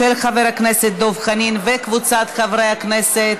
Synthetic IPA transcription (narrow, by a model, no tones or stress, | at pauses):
elχaveɾakneset̪̚d̪ovχaninvekvut͡sat̪χavɾejakneset̪